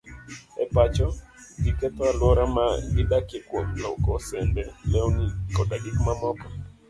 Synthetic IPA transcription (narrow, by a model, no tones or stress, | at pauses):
ɛpat͡ʃɔ | ɡikɛt̪walwɔɾama̰ɡɪdakekwomlɔ̰kɔsɛndɛlɛwnikɔdaɡikmamɔkɔ̥